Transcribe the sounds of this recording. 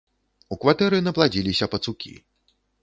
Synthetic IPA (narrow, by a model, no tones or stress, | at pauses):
ukvat̪ɛɾɨnɐplˠad͡zʲilʲisʲɐpɐt̪sukʲʰḭ